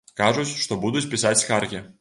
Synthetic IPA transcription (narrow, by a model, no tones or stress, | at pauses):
kaʐʊt͡sʲʂt̪ɔbud̪ʊt͡sʲpʲisat͡sʲskarɣʲi